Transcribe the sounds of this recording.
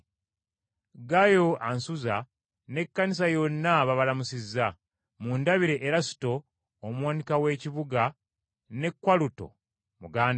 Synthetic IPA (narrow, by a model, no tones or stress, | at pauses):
ɡajo̞ʔansuza | ne̞kːanis̬ajo̞nːaβaβalamusizːa | mundaβiɾe̞ʔːɾasi̥to̞ː | mwaːnikawe̞ːciβuɡa | ne̞kwaluto̞̰ | muɡaːn